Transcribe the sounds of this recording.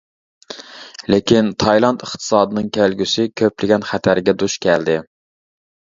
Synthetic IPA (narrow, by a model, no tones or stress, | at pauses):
lɪkʲʰint̪ʰɑjlˠɑnt̪əχt̪ʰɨ̥sɑːd̪ɨnɨŋkʲʰælɡʲysɪkʲʰøplɪɡʲɛnχæt̪ʰæɾɡʲɛd̪uʃkʲʰɛld̪ɪ